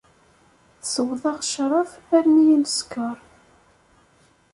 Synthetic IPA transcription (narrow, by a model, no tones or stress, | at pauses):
səwðˤɑʁʃɾˤʊfæɾnijənskəɾˤ